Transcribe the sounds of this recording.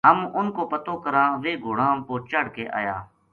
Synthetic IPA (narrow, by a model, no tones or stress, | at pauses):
ɦəmʊnkoːpət̪oːkəɾãːʋeːɡʱoːɽãːmpoːt͡ʃəɽ̤keːʔa̰ːjaː